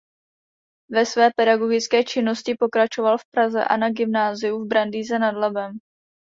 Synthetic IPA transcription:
vɛsvɛːpɛdaɡo̞ɡɪt͡skɛːt͡ʃɪno̞scɪpo̞kɾat͡ʃo̞valfpɾazɛ̰ʔa̰naɡɪmnaːzɪjuvbɾandiːzɛnadlɛbɛm

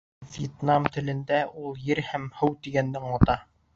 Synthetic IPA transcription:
vjet̪namt̪ɘ̆lɘ̆nd̪æʔulˠjɘɾhæmhɘwt̪iɡænːɘŋɑt̪ɑ

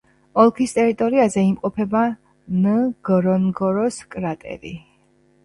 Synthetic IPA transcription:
ɔlˠkʰist̪ʼɛɾit̪ʼɔɾiazɛimqʼɔpʰɛba | nəɡ̥ɔɾɔnɡɔɾɔskʼɾat̪ʼɛ̰ɾḭ

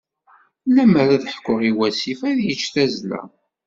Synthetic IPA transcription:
læmːəɾæðəħkʷːʊʁiwæsifæðjət͡ʃːθæzlæ̰

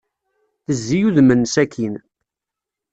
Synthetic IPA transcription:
θəzːijuðmənsækin

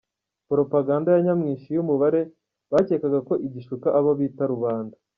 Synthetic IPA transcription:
poɾo̞paɡaːndajaɲamŋiːʃijumuβaɾe̞ | βace̞ːkaɡako̞ʔiɟiʃukaʔaβaβiːtaɾuβaːndḁ

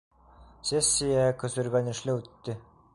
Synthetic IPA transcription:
sʲesʲːijakɵ̆zɵ̆ɾɡænɘ̆ʃlɘʉt̪ːɘ

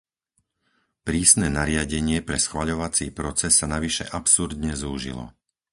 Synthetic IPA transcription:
pɾiːsnɛːnaɾɪaɟɛɲɪɛpɾɛsxʋaʎɔʋat͡siːpɾɔt͡sɛsːanaʋiʃɛ̰ʔapsuɾd̪ɲɛzuːʒḭlɔ̰

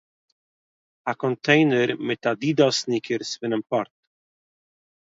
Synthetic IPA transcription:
akɔntʰeɪnəɾmɪt̪ad̪iːd̪ɔsnikʰəɾsvɪnənpɔɾt̪

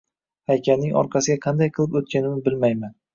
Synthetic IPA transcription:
hajkʲannɪŋɒ̰ɾqʰɑsɪɡʲaqʰɑnd̪ajqʰɨlˠɪpot̪̚kʲanɪmɪbɪlmajman

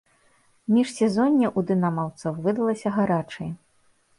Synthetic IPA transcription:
mʲiʂsʲɛzɔnʲːiʔud̪ɨnamawt̪sɐwvɨd̪ɐlˠɐsʲɐɣaɾat͡ʂɐj

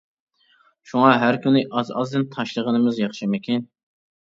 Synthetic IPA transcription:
ʃuŋɑɦæɾkʲynɪʔɑzɑzd̪ɨnt̪ʰɑʃlˠəʁənɨmɨzjɑχʃɨmɪkʲin

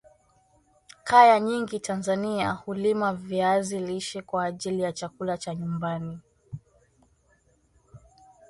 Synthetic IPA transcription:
kajaɲiŋɡitʰanzaniahulimaviaziliʃɛkwaːʄilijat͡ʃakulat͡ʃaɲumbani

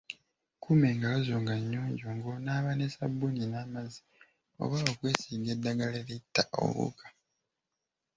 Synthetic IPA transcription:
kʰume̞ːŋɡalozoːŋɡaɲːoːɲɟoːŋɡonaːβanesabːuninaːmazi | o̞̰βaβokwe̞ːsiːɡe̞dːaɡaleɾitːaʔo̰βṵkḁ

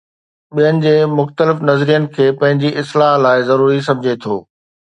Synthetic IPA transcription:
ɓijənɪ̆d͡ʑeːmʊxt̪əlɪfnɐzɾijənɪ̆kʰeːpɐ̃ɦɪ̃ɲd͡ʑiʔɪslaːɦlaːɪzɐɾuːɾis̬ɐ̃md͡ʑʱet̪ʰoː

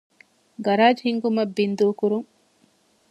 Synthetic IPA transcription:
ɡɐɾaːd͡ʒɦiŋɡumɐbːind̪uːkuɾuŋ

